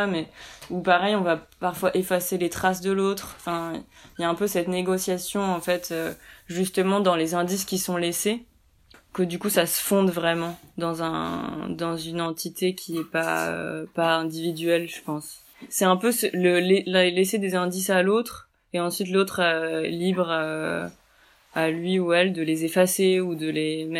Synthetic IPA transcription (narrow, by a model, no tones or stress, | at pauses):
amɛupaʁɛjɔ̃vapaʁfwaʔefaselet̪χasd̪əlot̪χɑ̃fɛ̃ | jaɛ̃pøsɛt̪neɡɔsjasjɔ̃ɑ̃fɛt̪ʰøʒyst̪əmɑ̃d̪ɑ̃lezɛ̃d̪iskʲisɔ̃lese | kəd̪ykusasə̥fɔ̃d̪vʁɛmɑ̃d̪ɑ̃zɛ̰̃d̪ɑ̃zynɑ̃t̪ʰit̪ʰekʲʰiɛpa̰ø̰paɛ̃d̪ivid̪ɥɛlʒ̥əpɑ̃sː | ɛɛ̃pøsələlellesed̪ezɛ̃d̪isalot̪χ | eɑ̃sɥit̪lot̪χølibʁ | alɥiuɛld̪əlezefaseud̪əlemɛ